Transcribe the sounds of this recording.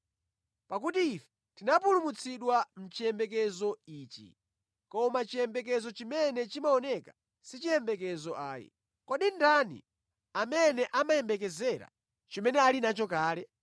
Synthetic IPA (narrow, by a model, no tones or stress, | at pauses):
pak̬utiːfɛ̥ | tinapulumut͡sʰiɗwam̩t͡ʃijɛmbɛkɛzɔiːt͡ʃḭ | kɔmat͡ʃijɛmbɛk̬ɛzɔt͡ʃimɛnɛt͡ʃimaɔnɛka | sit͡ʃijɛmbɛk̬ɛzɔʔaːjḭ | kɔɗindanḭ | amɛnɛʔamajɛmbɛk̬ɛzɛɾa̰ | t͡ʃɔmɛnɛalinat͡ʃɔkaːlɛ